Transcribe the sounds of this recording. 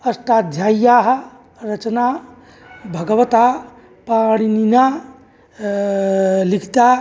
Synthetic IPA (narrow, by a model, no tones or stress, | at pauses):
əsʈad̪ʱjajjaɦ | ɾət͡ʃna | bʱəɡəʋət̪a | paɽ̃inina | likʰt̪a